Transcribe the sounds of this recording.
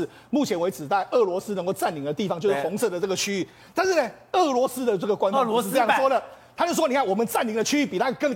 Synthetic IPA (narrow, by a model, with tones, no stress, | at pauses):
mu˥˩t͡ɕʰjɛ˧˥nwe˧˥ɪt͡sɻ̩˨˩t̪a˥˩ɪʔɤ˥˩lwɔ˧˥sɹ̩˥n˧ŋko˥˧ʊa˥˩nli˨˥ŋd̪ə˩t̪i˥˩fɑ˦ŋt͡ɕjo˥˧ʂ̩˥˩fɔ˧˥ŋsɤ˥˩də˩ʈ͡ʂɤ˥˩ɡə˩t͡ɕʰy˥y˥˩ | t̪a˥˧nʂɻ̩˥˩ne˩ | ɤ˥˩lwɔ˧˥sɹ̩˥d̪ə˨ʈ͡ʂɤ˥˩ɡə˩kwa˥nfʂ̩˥˧˥jʂwɔ˥d̪ə˨t̪ʰa˥t͡ɕo˥˧ʊʂwɔ˥ni˨˩kʰa˥˩wɔ˨˩mə˨˦nt͡sa˥˩nli˧˥ŋd̪ə˧t͡ɕʰy˥y˥˩pi˨˩t̪ʰa˥kə˥˧ŋ